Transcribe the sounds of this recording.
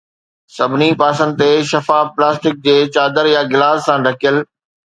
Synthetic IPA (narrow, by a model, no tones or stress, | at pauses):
sɐbʱɪnipaːsə̃nd̪ɪt̪eʃɐfaːplaːsʈɪk̚d͡ʑeːt͡ɕaːd̪əɾjaɡɪlaːssãːɾɐkʰijəl